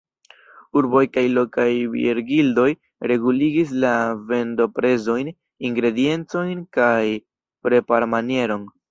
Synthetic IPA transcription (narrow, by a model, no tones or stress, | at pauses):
uɾbo̞jkajlo̞kajbḭɾɡildo̞j | ɾe̞ɡuliɡis̬lave̞ndo̞pɾe̞zo̞jn | iŋɡɾe̞die̞nt͡so̞jnkaj | pɾe̞paɾmanie̞ɾo̞n